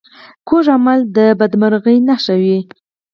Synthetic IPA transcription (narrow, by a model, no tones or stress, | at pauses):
koʒamald̪əbad̪maɾɣəjnaʃawi